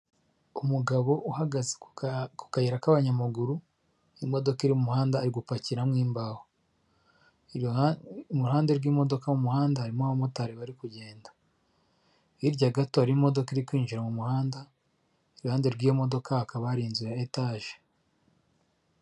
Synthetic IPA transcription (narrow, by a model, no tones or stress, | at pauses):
umuɡaβo̞ʔuhaɡazeku̥kajeɾakaβaɲamuɡuɾu | imo̞do̞kiɾimumuhaːndaːɾiɡupaciɾamŋiːmbaho | muuhaːnde̞ɾɡiːmo̞do̞kamumuhaːndahaɾimoaβomotaɾeβaɾikuɟe̞ːnda | iɾɟaɡatoaɾimo̞do̞kiɾikwiːnʒiɾamumuhaːnda | iɾuhaːnde̞ɾɡiːjomo̞do̞kahakaβaɾinzujaetaːʒe